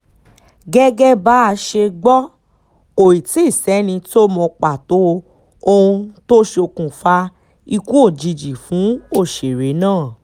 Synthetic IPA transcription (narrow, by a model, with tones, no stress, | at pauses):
ɡɛ˦ɡɛ˦ba˨˦a˧ʃe˧ɡ͡bɔ˦ | o˨i˨ti˦˨sɛ˨˦nĩ˧ti˦o˦mɔ̃˧k͡pa˨to˨˦ | o˧ũ˧to˦ʃe˧o˧kũ˨fa˧ | i˧kũ˦o˦˨d͡ʒi˧d͡ʒi˨fũ˨˦o˦˨ʃe˨ɾe˨˦nãː˦˨